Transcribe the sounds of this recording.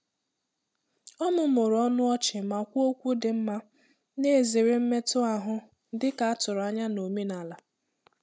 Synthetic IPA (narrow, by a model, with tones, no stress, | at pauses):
ɔ˦mʊ˦m̩ʊ˨ɾɔ˦nʊ˦ɔ˦t͡ʃɪ˨ma˨kʷu˦o˦kʷu˦dɪ˨m̩˦ma˦ | ne˦˨zi˨ɾɪ˦m̩˦me˦tʊ˦a˨ɦʊ˦ | dɪ˦ka˨a˦tʊ˨ɾa˦ɲa˦no˨me˦na˨la˨